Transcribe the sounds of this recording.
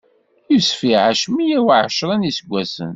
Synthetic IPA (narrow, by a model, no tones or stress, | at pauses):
ivsfiʕaʃmijæwʕʃɾˤænisəɡʷːæsə̰n